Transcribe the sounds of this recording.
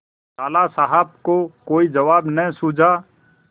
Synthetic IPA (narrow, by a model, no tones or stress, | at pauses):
taːlasaɦab̚kokoːid͡ʒəʋaːbnəĩsud͡ʒʱaː